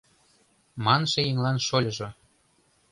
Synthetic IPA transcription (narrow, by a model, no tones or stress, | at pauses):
mɑnʃĕjeŋlɑnʃolʲɤ̆ʒŏ